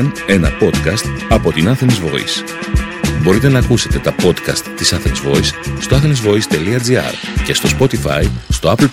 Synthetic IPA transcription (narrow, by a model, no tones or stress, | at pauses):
ne̞nɐ̰po̞d̪kɐst̪ɐpo̞t̪inɐθenizvo̞̰ḭs | bo̞ɾit̪e̞nɐːkuse̞t̪e̞t̪ɐpo̞t̪kɐ̰st̪ːisɐθeksvo̞isːt̪o̞ɐθenizvo̞ist̪e̞liɐd͡ziɐ̰ɾ | ce̞st̪o̞spo̞t̪ifɐ̰jst̪o̞ɐpl